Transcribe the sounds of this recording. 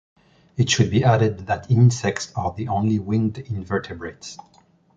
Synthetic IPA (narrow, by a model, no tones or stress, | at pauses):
ɨtʃɨd̚biʔæɾɨd̪̚ðætʰɪ̃nsɛk̚tsə˞ðiʔõʊ̃nliwɪ̃ndɪ̃nvɜ˞tʰɨbɹets